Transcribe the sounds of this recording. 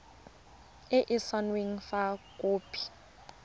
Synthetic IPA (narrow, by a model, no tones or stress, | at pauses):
ɪʔɪsanwiŋfakʼoːpʰʼi̥